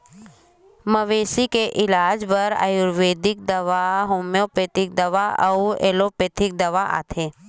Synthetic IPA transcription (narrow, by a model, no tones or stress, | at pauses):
məʋeːsikeʔɪlaːd͡ʒbɐɾa̰juɾʋeːd̪ɪk̚d̪ɐʋaɦomjopeːt̪ɪk̚d̪ɐʋaɐ̰ueːlopeːt̪ʰɪk̚d̪ɐʋaʔa̰ːt̪ʰeː